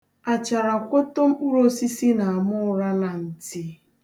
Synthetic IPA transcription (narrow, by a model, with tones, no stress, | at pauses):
a˨t͡ʃa˨ɾa˨kʷo˦to˦m̩˦k͡pu˦ɾo˦si˦si˦na˨a˨mʊ˦ɾa˦na˨n̩˨ti˦